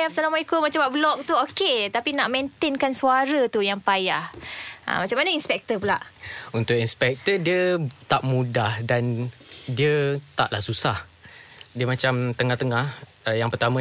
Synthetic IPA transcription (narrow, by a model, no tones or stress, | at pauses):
ap̚salamaikumat͡ʃabablɔk̚t̪uoket̪apinaʔment̪enkansuaɾət̪ujaŋpajaha̰mat͡ʃamːanəinspɛk̚t̪əpula̰ʔunt̪ʊkinspɛk̚t̪ədiət̪aʔmũdahdandiət̪a̰ʔlahsusah | diəmat͡ʃamt̪əŋaht̪əŋah | əjaŋpərt̪amã